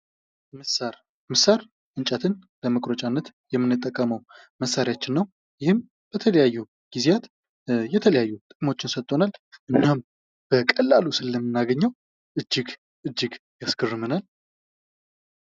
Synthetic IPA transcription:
mɨsaɾ | mɨsaɾ | ʔɨnt͡ʃʼat̪ʰɨn | ləməkʼɾət͡ʃʼanːət̪ | jɛmːɨnːɨt̪ʼːəkʼːəməw | məsːaɾijat͡ʃːɪnːəw | jɪhɨm | b̥ət̪ʰələjajːu | ɡ̥izejat̪ | jɛt̪ʰələjajːut̪ʼɨkʼmo̞t͡ʃːɪnsət̪ʼːo̞nalʔɨnːam | b̥əkʼəlːalusɨlːəmːɨnːaɡəɲːəw | ʔɨd͡ʒːɪɡ | ʔɨd͡ʒːɪɡjasɡʰɨrːɨmɨnal

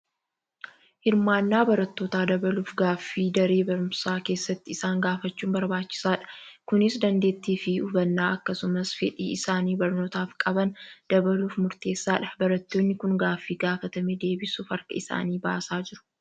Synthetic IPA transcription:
hɪɾmaːnːaːbɐɾɐt̪ːo̞ːt̪aːd̪ɐbɐluːfɡaːfːiːd̪ɐɾeːbɐɾʊmsaːke̞ːsːɐt̪ːɪɪsaːŋɡaːfɐt͡ʃːuːmbɐɾbaːt͡ʃːɪ̥saːᶑɐ̥kʊnɪsd̪ɐnd̪e̞ːt̪ːiːfɪʊbɐnːaːʔɐkːɐsʊmɐsfɛᶑḭːɪsaːniːbɐɾno̞ːt̪aːfkʼɐbɐnd̪̥ɐbɐluːfmʊɾt̪e̞ːsːaːᶑɐ̥bɐɾɐt̪ːo̞ːnːɪkʊŋɡaːfːiːɡaːfɐt̪ɐmɛd̪e̞ːbɪsuːfɐɾkɐ̰ɪsa̰ːniːba̰ːsaːd͡ʒɪɾʊ̥

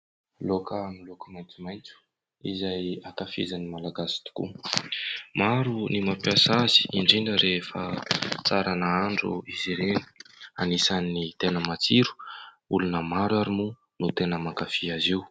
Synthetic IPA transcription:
lokanilokəmajnt͡sumajnt͡su̥ | ḭzajat̪afḭzanimalaɡasi̥t̪u̥kṵ | maɾunimapiasazi̥iɳɖ͡ʐiɳɖ͡ʐəɾʔefə̰t͡saɾanaaɳɖ͡ʐṵiziɾeni̥a̰nisanːit̪enəmat͡siɾu̥ | ulunəmaɾwaɾimu | nut̪enəmakafiaziw

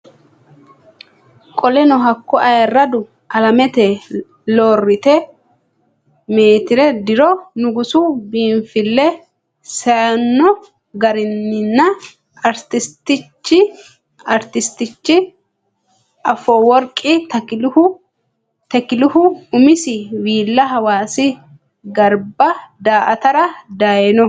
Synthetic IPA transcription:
kʼɔlɛnɔɦɐkːɔʔɐjɛrːɐd̪ʊ | ʔɐlɐmɛt̪ɛ | loːrːɪt̪ɛ | me̞ːt̪ɪɾɛd̪ɪɾɔnʊɡʊsʊbiːnfɪlːɛ | sɐɐnːɔ | ɡɐɾɪnːɪnːɐ | ɐɾt̪ɪst̪ɪt͡ʃːɪ | ɐɾt̪ɪst̪ɪt͡ʃːɪ | ʔɐfoːwɔɾkʼːɪt̪ɐkɪlhʊ | t̪ɛkɪlʊhʊʊmɪsɪwiːlːɐɦɐwaːsɪ | ɡɐɾbɐd̪aːʔɐt̪ɐɾɐd̪aːjɛnɔ

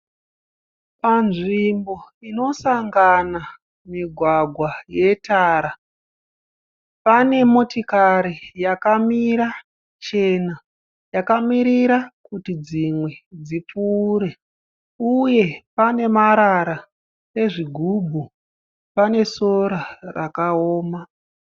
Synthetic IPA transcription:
panʐimbo̞ino̞saŋɡana | miɡʱwaɡʱwaje̞taːɾa | pane̞mo̞tikaɾijakamiɾa | t͡ʃe̞na | jakamiɾiɾakutid͡zimwe̞d͡zip͡fuːɾe̞ | uje̞pane̞maɾaɾa | e̞ʐiɡʱubʱu | pane̞so̞ɾarakaoːma

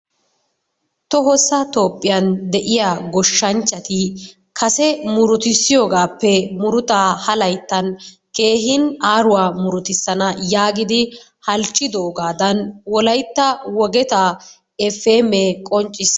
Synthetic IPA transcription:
t̪ɔɦɔsɐt̪o̞ːpʼːɪjɐnd̪ɛʔɪjaɡɔʃːɐnt͡ʃːɐt̪ɪ | kʰɐsɛmʊɾʊt̪ɪsːɪjo̞ːɡaːpːɛmʊɾʊt̪aːhɐlɐjt̪ːɐn | ke̞ːɦɪnaːɾʊwaːmʊɾʊt̪ɪsːɐnɐjaːɡɪd̪ɪ | hɐlt͡ʃʼːɪd̪oːɡaːd̪ɐnwɔlɐjt̪ːɐwɔɡɛt̪aː | ɛfːeːmekʼɔnt͡ʃʼːɪs

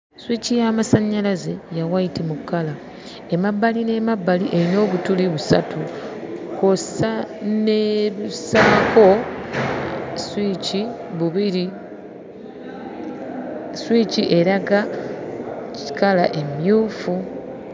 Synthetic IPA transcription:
swicijamasaɲːalaze̞jawajitimukːala | emabːaline̞mabːaliʔe̞ɾino̞ːβutuliβusa̰tʰukosaneβusamako̞ | swiciβuβiɾi | swiciʔe̞ɾaɡa | ci̥kalaʔe̞mjuːfu

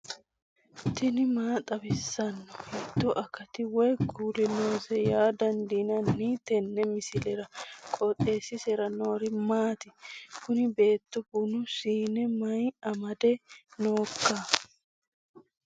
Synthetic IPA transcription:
t̪ɪnɪmaːt̪ʼɐbɪsːɐnːɔhɛd̪ːɔʔɐkɐt̪ɪwɔjkuːlɪnoːsɛjaːd̪ɐnd̪inɐnːit̪ɛnːɛmɪsɪlɛɾɐkʼɔt̪ʼe̞ːsɪsɛɾɐno̞ːɾɪmaːt̪ɪkʊnɪbe̞ːt̪ːɔbʊnʊsiːnɛmɐjɐmɐd̪ɛnoːkːaː

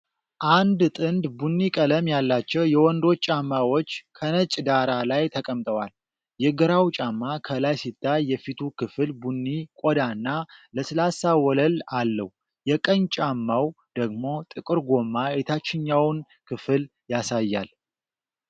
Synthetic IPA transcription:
ʔand̪t̪ʼɨnd̪bunːikʼələmjalːat͡ʃːɛwjɛwɔnd̪o̞t͡ʃːʼamːawot͡ʃːkʰənət͡ʃʼd̪aɾalajt̪ʰəkʼəmt̪ʼəwal | jɛɡəɾawt͡ʃʼamːakʰəlajsit̪ːajːɛfit̪ʰukʰɨfɨlbunːikʼod̪anːaləslasawɔləlalːəh | jɛkʼəɲt͡ʃʼamːaw | d̪̥əɡmo̞t̪ʼɨkʼɨɾɡo̞mːaet̪ʰat͡ʃːɪɲːawn | kʰɨfɨl | jasajːa̰l

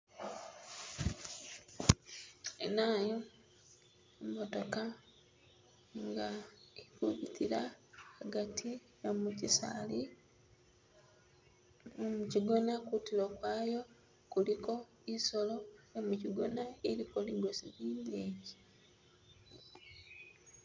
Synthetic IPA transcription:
ḛnaːjo | emoto̞ka | ŋɡaekuβitʰiɾaaɡatʰi | omucisa̰ːli | omuciɡo̞nakutiɾokwaːjo̞ | kuliko̞ | iso̞lo̞jomuciɡo̞naeɾikoliɡosiliːndeːɟi̥

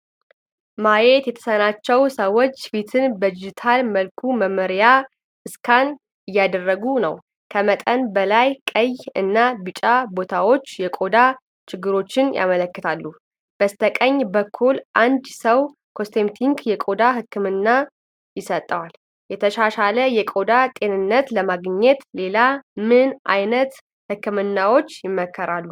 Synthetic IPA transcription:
majet̪jɛt̪ʰə̥sənat͡ʃːɛwsəwːo̞t͡ʃːfit̪ʰɨnbəd̪id͡ʒit̪ʰalməlkʰuməməɾja | ɨskʰan | ɨjːad̪ərːəɡunə̰w | kʰəmət̪ʼənbəlajkʼəjɨnːabɨt͡ʃʼabo̞t̪ʰawo̞t͡ʃːjɛkʼo̞d̪a | t͡ʃɪɡːɨɾo̞t͡ʃːɪnjʔa̰mələkːɨt̪ʰalːu | b̥əst̪ʰəkʼəɲːbəkʰːulʔand̪səw | kʰo̞st̪ʰemt̪ʰiŋɡjɛkʼo̞d̪aɦɨkːɨmɨnːa | jɪsət̪ʼːəwal | jɛt̪ʰəʃaʃaləjɛkʼo̞d̪at̪ʼe̞nɨnːət̪ləmaɡɲːɛt̪le̞lamɨnʔa̰jnət̪ | hɨkːɨmɨnːawo̞t͡ʃːjɪmːəkʰːəɾalːu

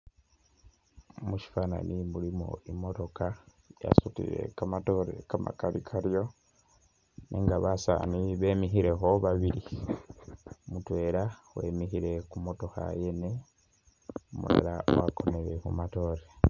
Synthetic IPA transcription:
muʃi̥fana̰nimulimo̰imo̞to̞ka | ja̰sutḭɾḛkamatoɾḛkama̰kalikʰaɾjo̞ | nʔeŋɡaβasa̰niβe̞ːmiɦiɾe̞ho̞βaβiɾi | mutwe̞ːɾawe̞̰ːmihiɾe̞kumo̞to̞xa̰jene | omṵɾḛɾawakʰo̞neɾekumato̞ːɾe

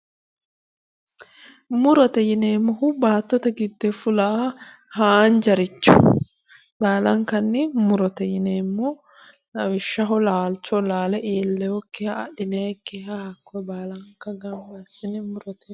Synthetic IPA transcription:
mʊɾɔt̪ɛjɪneːmːɔhʊbaːt̪ːɔt̪ɐɡɪd̪ːɛfʊlɐ | haːnd͡ʒɐɾɪt͡ʃːʊ̰ | baːlɐŋkɐnːɪmʊɾɔt̪ɛjɪneːmːɔ | nɐwɪʃːɐɦɔlaːlt͡ʃɔlaːlɛʔeːlːɛwɔkːɛha̰ːɗɪnekːɛɦahɐkːɔbaːlɐŋkɐɡɐŋɡɐsɪnɪmʊɾɔt̪ɛ

